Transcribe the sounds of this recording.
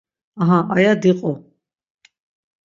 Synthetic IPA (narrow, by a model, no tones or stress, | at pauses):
aɦãʔajad̪iqʼɔ